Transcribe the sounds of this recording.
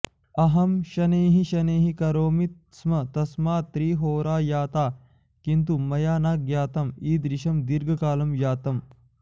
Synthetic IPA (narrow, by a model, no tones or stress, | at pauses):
ɐɦɐmʃɐneːɦiʃɐneːɦikɐɾoːmit̪̚ | smɐt̪ɐsmaːt̪ɾiːɦoːɾaːjaːt̪aː | kint̪umɐjaːnaːk̚ɡjaːt̪ɐmiːd̪ɾiʃɐmd̪iɾɡɐkaːlɐmjaːt̪ɐm